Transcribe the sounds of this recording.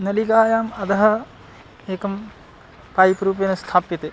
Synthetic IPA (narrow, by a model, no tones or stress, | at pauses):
nɐliɡaːjaːmɐd̪ɐɦɐ | eːkɐm | pɐjpɾuːp̬jɐnɐst̪ʰaːpit̪e